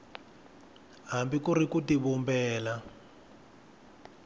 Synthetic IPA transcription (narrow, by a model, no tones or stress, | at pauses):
ɦambikurikutiβumbɛːla